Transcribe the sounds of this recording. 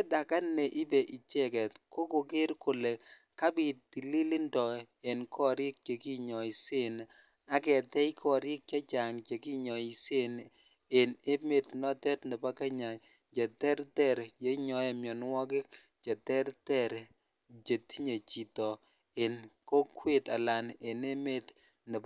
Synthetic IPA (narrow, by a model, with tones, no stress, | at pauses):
e˦da˨ka˦nːe˨ʔi˦be˨ʔi˨t͡ʃɛ˦kɛ˨tko˦ko˨ke˦ɾkʊ˨le˨ | ka˦bi˨t̚di˨li˦lɪ˦ndɔ˨ | e˨nkʰɔ˦ɾɪ˦k̚t͡ʃe˨ki˦ɲɔ˨i˨se˦n | a˦kɛ˨tɛ˦i˦kʰɔ˨ɾɪ˦k̚t͡ʃa˦t͡ʃa˨ŋt͡ʃe˨ki˦ɲɔ˨i˨se˦n | e˨ne˦me˨tnɔ˦tɛ˦tnɪ˨pa˦kɛ˦ɲa˨ | d͡ʒe˨tɛ˦ɾtɛ˦˨ɾje˦ɲɔ˨jɛ˨mjɔ˨n˦wɔ˦k̬ɪ˦ | d͡ʒa˨tɛ˦ɾtɛ˦ɾ | t͡ʃe˨ti˦ɲe˨t͡ʃi˨tɔ˨ | e˨nko˦kwe˦ta˨la˨ne˨ne˦me˦t | nɪ˨p